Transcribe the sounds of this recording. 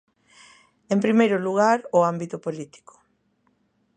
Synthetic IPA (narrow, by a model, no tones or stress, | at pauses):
ẽmpɾimejɾʊluɣ̞aɾʊambit̪ʊpolit̪i̥ko̥